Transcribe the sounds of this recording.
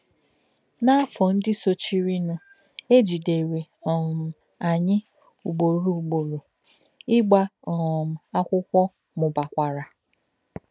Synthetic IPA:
na˦a˦fɔ˨n̩˦dɪ˦so˦t͡ʃi˦ɾi˦nʊ˦ | e˦d͡ʒi˨de˨ɾe˨ɔ˨m̩˨ | a˨ɲɪ˦ | u˨ɡ͡bo˨ɾu˨u˨ɡ͡bo˨ɾo˨ | ɪ˦ɡ͡ba˦ɔ˨m̩˨a˦kʷʊ˦kʷɔ˦ | mʊ˨ba˨kʷa˨ɾa˨

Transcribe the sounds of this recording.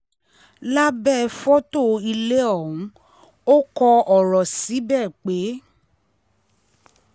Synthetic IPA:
la˦bɛ˦˨˧fɔ˦to˦˨i˧le˦ɔ˦˨ũ˨˦ | o˦kɔ˧ɔ˨ɾɔ˨si˨˦bɛː˦˨k͡pe˨˦

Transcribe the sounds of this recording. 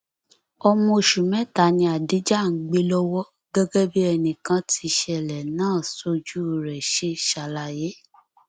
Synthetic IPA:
ɔ˧mɔ̃˧o˨ʃu˨mɛ̃˨˦ta˨˦nĩ˧a˨di˨˦d͡ʒa˦˨ŋ̩˨˦ɡ͡be˦lɔ˦wɔ˦ | ɡɛ˦ɡɛ˦bi˦ɛ˧nĩ˨kã˦ti˧ʃɛ˧˨lɛ˨nãː˦˨so˧˦d͡ʒu˦˨ɾɛ˨ʃe˦ʃa˧la˧je˨˦

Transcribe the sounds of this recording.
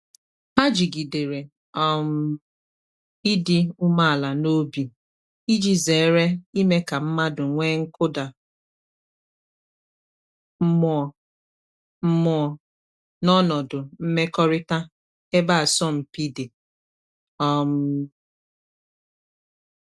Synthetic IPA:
a˦d͡ʒi˨ɡi˨de˨ɾe˨ | ɔ˦m̩˦ | i˦di˦u˦ma˦a˨la˨no˦bi˨ | i˦d͡ʒi˦zeː˨˦ɾe˦i˦me˦ka˨m̩˦ma˦dʊ˨ŋʷe˦ŋ̩˦kʊ˦da˨ | m̩˦mɔ˨ | m̩˦mɔ˨ | nɔ˦nɔ˨dʊ˨m̩˦me˦kɔ˦ɾɪ˦ta˦ | e˦ba˦a˨sɔ˦˨m̩˨pi˦de˨ | ɔ˦m̩˨

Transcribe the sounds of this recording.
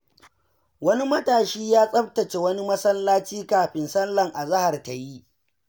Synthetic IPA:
wɐ˦ni˦mɐ˦taː˨ʃiː˦jaː˦sʼɐ˦ɸtɐ˨t͡ʃe˨wɐ˦ni˦mɐ˦sɐ˦lːaː˦t͡ʃiː˦kaː˨ɸɪ˦nsɐ˦lːɐ˨ŋʔa˨za˦ha˨rta˨ji˦

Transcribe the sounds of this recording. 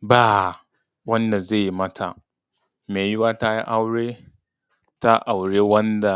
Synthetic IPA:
baː˦ | wɐ˦nda˨ze˦˨jmɐ˦tʰa̰˨ | meː˨jʊ˦waː˦ta˦ji˦ʔa˦wɽeː˦ | ta˦ʔa˨wɽeː˦wɐ˦nda˨

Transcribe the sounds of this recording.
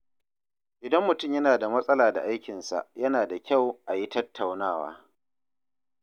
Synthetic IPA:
ʔɪ˨dɐ˦mːʊ˨tʊ˦˨mjɐ˦naː˨da˨mɐ˦sʼɐ˦laː˨da̰˨ʔa˦jkʲɪ˨nsa̰˨ʔjɐ˦naː˨da˨kʲa˦˨wʔa˨ji˦tɐ˦tʰːa˨wnaː˦˨wa̰ː˦

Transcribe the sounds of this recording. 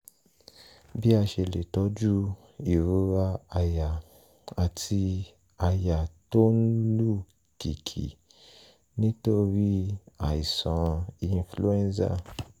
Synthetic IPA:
bi˦a˧ʃe˧le˨tɔ˨˧˦d͡ʒu˦ | i˨ɾu˨˦ɾa˧a˧ja˨ | a˨tʰi˧ | a˧ja˨to˦n̩˦lu˦˨ | ki˨kʰḭ˨ | nĩ˦to˦ɾi˦a˨i˨sã˨˦ĩ˧˦flu˦ɛ̃˦nsa̰˦˨

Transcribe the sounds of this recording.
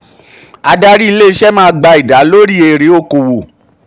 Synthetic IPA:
a˧da˦ɾi˦i˧le˦i˧˦ʃɛ˦mãː˦˧˦ɡ͡ba˧i˨da˨˦lo˦ɾi˦e˧˨ɾe˨˦o˦˨ko˨wo˨

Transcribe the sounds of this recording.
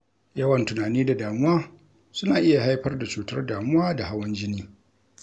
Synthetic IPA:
jɐ˦wɐ˨ntʊ˨naː˨niː˦da˨daː˨mʊ˦waː˦ | sʊ˦naː˨ʔɪ˦ja˨ɦa˦jɸɐ˦rda˨t͡ʃuː˨tɐ̰˦rdaː˨mʊ˦waː˦da˨ha˦wɐ˦nd͡ʒɪ˦niː˦

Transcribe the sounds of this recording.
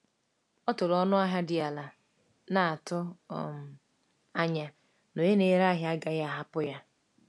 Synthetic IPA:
ɔ˦tʊ˨ɾɔ˦nʊ˦a˦ɦa˦dɪ˨a˨la˨ | na˨a˨tʊ̰˦˨m̩˨ | a˦ɲa˨ | no˨je˦ne˨˦ɾa˦ɦja˦ɡa˦ja˦a˨ɦa˦pʊ˦ja˦

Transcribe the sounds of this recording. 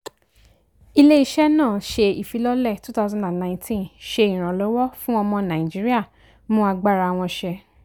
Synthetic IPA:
i˧le˦i˦ʃɛ˦nãː˦˨ʃe˧i˨fi˨˧˦lɔ˦lɛ˦˨tu˦ta˦˧zɔ̃˨nda˨n˨nã˨˦tʰĩ˦nʃe˧ĩ˨ɾ̃ã˨lɔ˨˦wɔ˦fũ˦ɔ˧mɔ̃˧nã˨ĩ˨d͡ʒi˨˦ɾi˦a˦˨ | mũ˦a˧ɡ͡ba˦˨ɾa˧a˧w̃ɔ̃˧ʃɛ˧

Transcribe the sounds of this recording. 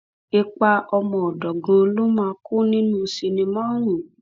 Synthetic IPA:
e˧k͡pa˧ɔ˧mɔ̃˧˨ɔ˨dɔ˨ɡã˨˦lo˦mãː˧˦ku˦nĩ˦nũ˦si˧nĩ˧mɔ̃˦ɾ̃ũ˨

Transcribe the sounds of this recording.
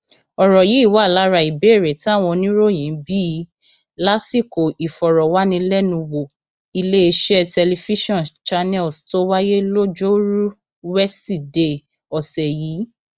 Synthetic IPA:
ɔ˨ɾɔ˨ji˨˦i˦˨wa˨˦˨la˦ɾa˧˨i˨be˨˦˨ɾɛ˨tĩ˦a˦˨w̃ɔ̃˧nĩ˦ɾo˦˨j̃ĩ˨˦bi˦ | la˦si˦˨ko˨ʔi˨fɔ˨ɾɔ˨wa˦nĩ˧lɛ˦nũ˧wo˨ | i˧le˦e˧ʃɛ˦tɛ˧le˧fi˦ʃɔ̃˦˨nt͡ʃa˧nɛ˦˨lsto˦wa˦je˦lo˦d͡ʒo˦ɾu˦ | wɛ˦si˦˨de˦ | ɔ˨sɛ˨jiː˨˦

